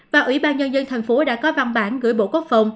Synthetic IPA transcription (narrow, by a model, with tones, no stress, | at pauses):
vaː˨˩ʔwḭ˧˩˦ɓaː˧nɲə˧nzə˧nt̪ʰa˨˩jŋ̟fo˨˦ɗa̰ː˧˥kɔ˨˦va˧nɓaː˧˩nɣɨ̰˧˩əjɓo̰˧˨ku˦˥ək̚fə˨˧˩wŋ͡m